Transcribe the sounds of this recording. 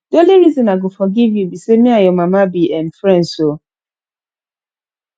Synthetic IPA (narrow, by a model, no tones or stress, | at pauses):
doliɾizɔ̃naɡofɔɡivjubisemĩajɔmamabiʔɛ̃nfɹɛ̃ndso